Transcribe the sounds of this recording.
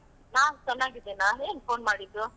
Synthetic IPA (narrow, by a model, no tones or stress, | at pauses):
nad͡ʒɐnaɡid̪enaeːnpʰoːnmaɽid̪u